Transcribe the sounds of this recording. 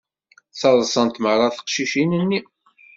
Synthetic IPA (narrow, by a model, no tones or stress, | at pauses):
θɑðˤsˤənt̪mərˤːɑθə̥qʃiʃinənːi